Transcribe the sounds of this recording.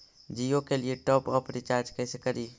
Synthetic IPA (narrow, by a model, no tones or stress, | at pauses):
d͡ʒiːokelieʈɔːpɔːpʰɾɪt͡ʃaːɾd͡ʒkɛːsekəɾiː